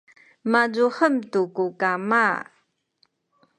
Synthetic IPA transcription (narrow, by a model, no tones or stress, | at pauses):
mazuħəmtukukama